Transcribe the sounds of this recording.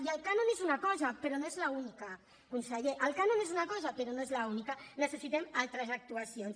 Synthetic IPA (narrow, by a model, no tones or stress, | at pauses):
iəlkanonezunakɔzapeɾonoezlaunika | kunsəʎeʔəlˠkanonezunakɔzapəɾonoezlaunikanəsəsit̪emalˠt̪ɾəzak̚t̪uasions